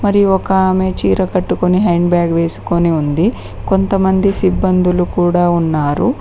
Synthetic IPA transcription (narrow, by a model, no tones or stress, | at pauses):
mɐɾiɔkɐːme̞ːt͡ʃiːɾɐkɐʈːukoniɦeːɳɖbjaːɡʋe̞ːsu̥koniund̪i | ko̞nt̪ɐmɐnd̪isibːɐnd̪ulukuːɽaːunːaːɾu